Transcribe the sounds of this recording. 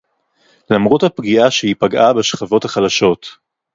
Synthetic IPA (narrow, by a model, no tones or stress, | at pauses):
lamʁothapɡiʔaʃehipaɡʔabeʃχavo̞thaχalaʃo̞t